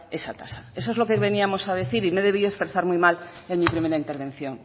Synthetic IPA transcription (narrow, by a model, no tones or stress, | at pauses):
esat̪asae̞soezlo̞keβe̞niamo̞sað̞eθiɾime̞ðe̞β̞ioespeɾsaɾmujmalenmipɾimeɾaint̪e̞ɾβẽ̞n̟θjoŋ